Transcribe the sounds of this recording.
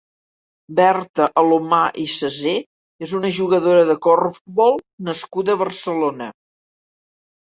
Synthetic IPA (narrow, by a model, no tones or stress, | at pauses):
bɛrt̪əʔəlomaʔisəze | ezunəʒuɣəðoɾəðəkɔrfubɔlˠnəskuðəβərsəlonə